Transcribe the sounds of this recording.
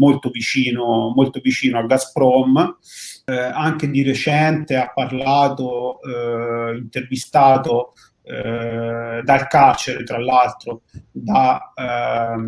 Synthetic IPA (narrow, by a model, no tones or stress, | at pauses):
molt̪ovit͡ʃiːnomolt̪ovit͡ʃiːnoaɡaspɾɔm | aŋk̟ed̪iret͡ʃɛnt̪eapːarlaːt̪o | int̪ervist̪aːt̪o | d̪alkart͡ʃeɾet̪ɾalːalt̪ɾod̪a